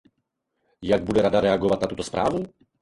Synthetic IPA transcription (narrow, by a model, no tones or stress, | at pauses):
jaɡbud̪ɛɾad̪aɾɛaɡɔvat̪ʲnat̪ut̪ɔspɾʔa̰ːvu